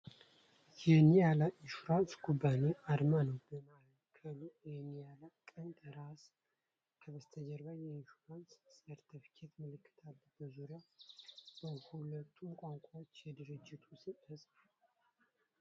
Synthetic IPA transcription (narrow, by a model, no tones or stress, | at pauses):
jɛnijalaʔiʃuɾansɡubːaneʔaɾmanəwbəmal | kʰːəlujɛnijalakʼənt̪əɾas | kʰəβəst̪ʰəd͡ʒəɾβajɛinʃuɾansːəɾt̪ʰifi̥kʰet̪mɨlɨkʰːɨ̥t̪ʰalːbəzuɾja | bəhulət̪ʰːumkʷʼaŋkʷʼaot͡ʃːjɛd̪ɨɾɨd͡ʒːɪt̪ʰusiʔɨz